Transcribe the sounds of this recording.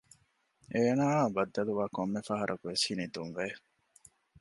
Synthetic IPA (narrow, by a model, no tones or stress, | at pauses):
eːnaːbɐd̪ːɐluʋaːkomːefɐɦɐɾʔɐkuʋeshinid̪unʋe